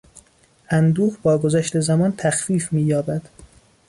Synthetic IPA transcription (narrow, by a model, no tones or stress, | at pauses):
ʔænd̪uːʁbɒːɡozæʃt̪e̞zæmɒːnt̪ʰæxfiːfmiːjɒːbæd̪̥